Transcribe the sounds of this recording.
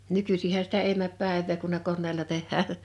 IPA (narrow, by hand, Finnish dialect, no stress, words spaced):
nykysihˑæ sitæ eˑi mæp pæˑeʋˑeː kun ne konːeːlɑ tehˑæː